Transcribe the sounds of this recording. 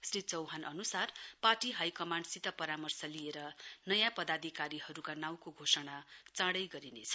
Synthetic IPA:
srit͡sʌwɦanʔʌnusarparʈiɦajkʌmaɳɖsit̪ʌpʌɾamʌrsʌlieɾʌnʌjãpʌd̪ad̪ʱikaɾiɦʌɾukanaw̃koɡʱosʌɽat͡sãɽʌjɡʌɾinet͡sʰʌ̥

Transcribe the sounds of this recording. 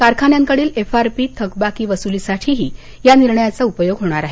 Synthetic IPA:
kaɾkʰanjaŋkəɽiːlefaɾpit̪ʰəkbakiːʋəsulisaʈʰiːɦiː | janiɾɳəjat͡saupəjoɡɦoɽ̃aɾaɦe

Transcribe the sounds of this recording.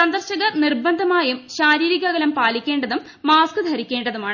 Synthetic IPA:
sɐnd̪ɐrɕɐɣɐnirbɐnd̪ʱɐmaːjumɕaːɾiːɾiɣɐɣɐlɐmpaːlikʲːe̞ːɳɖɐðumːaːskɨd̪ʱɐɾikʲːe̞ːɳɖɐðumaːɳɨ

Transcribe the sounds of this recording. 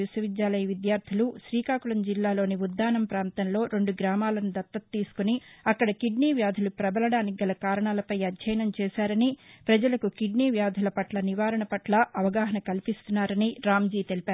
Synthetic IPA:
isɐʋid̪jaːlɐjɐʋid̪jaːɾt̪ʰiluʃɾiːkaːkuɭɐmd͡ʒilːaːlo̞ːniud̪ːaːnɐmpɾaːnt̪ɐnlo̞ːɾe̞ɳɖuɡɾaːmaːlɐnud̪ɐt̪ːɐt̪ːiːsu̥kuniɐkːɐɽɐkiɖniːʋjaːd̪ʱulupɾɐbɐlɐɽaːniɡɐlɐkaːɾɐɳaːlɐpɐjɐd̪d͡ʒɐjɐnɐmt͡ʃɛːsaːɾɐnipɾɐd͡ʒɐlɐkukiɖniːʋjaːd̪ʱulɐpɐʈlɐniʋaːɾɐɳɐpɐʈlɐɐʋɐɡaːɦɐnɐkɐlipist̪unːaːɾɐniɾaːmd͡ʒiːt̪e̞lipaːɾu

